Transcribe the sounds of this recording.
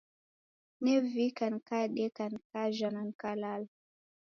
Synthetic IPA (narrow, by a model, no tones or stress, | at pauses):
nɛvikankaɗɛkankaʒanankalal